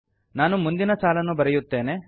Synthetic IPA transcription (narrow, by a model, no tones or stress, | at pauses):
naːnumund̪inɐsaːlɐnːubɐɾɛjut̪ːe̞ːne̞